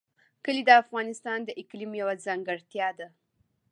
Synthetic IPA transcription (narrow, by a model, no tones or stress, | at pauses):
kəlid̪əafɣɑnɪst̪ɑnd̪əʔɪklimjawad͡zaŋɡəɽt̪jɑd̪a